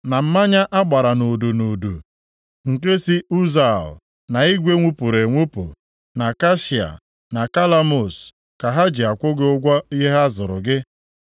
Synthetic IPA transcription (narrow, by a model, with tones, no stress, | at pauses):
na˨m̩˦ma˦ɲa˦ʔa˦ɡ͡ba˨ɾa˨no˨do˨no˨du˨ | ŋ̩˨ke˦si˦u˦za˨l | na˨i˦ɡʷe˦ŋʷu˦pu˨ɾe˨ŋʷu˦pṵ˨ | na˨ka˦ʃi˨a̰˨ | na˨ka˦la˦mo˨s | ka˨ɦa˦d͡ʒi˨a˨kʷʊ˦ɡɪ˦ʊ˦ɡʷɔ˦i˦ɦe˦ɦa˦zʊ˨ɾʊ̰˨ɡɪ˦